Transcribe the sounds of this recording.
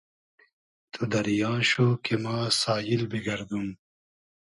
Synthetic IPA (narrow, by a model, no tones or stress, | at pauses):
t̪ʰud̪ɐɾijɑ̃ːɕokemaːsaːjilbiɡɐɾd̪um